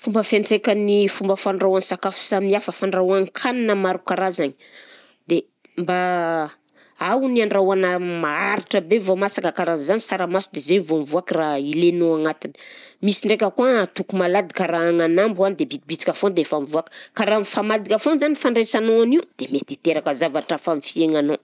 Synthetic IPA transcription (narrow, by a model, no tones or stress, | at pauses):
fumbəfeɳʈ͡ʂekʲənifumbəfaɳrawanisakafu̥samiafəfaɳrawaŋkʰananəmaɾukaɾazani̥ | d̪e | mba | awniaɳrawanəmaaɾiʈ͡ʂəbevomasakəkaɾanzanisaɾəmasud̪ezenivomvuakirailenoaŋat̪ini̥misiɳɖ͡ʐek̬ʲəkuat̪ukumalad̪i̥kaɾaːŋanambuanid̪ebit̪ibit͡si̥kʲafond̪efamvuakə̥kaɾanifamad̪ikʲafonzanifaɳɖ͡ʐesanoaniwd̪̥emet̪it̪eɾakəzavaʈ͡ʂafamifieŋano